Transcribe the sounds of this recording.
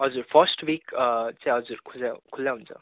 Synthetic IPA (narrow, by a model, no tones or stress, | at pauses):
ʌd͡zuɾfəsʈʋiːkt͡sẽʌd͡zuɾkʰud͡zakʰulːjãɦunt͡sə̰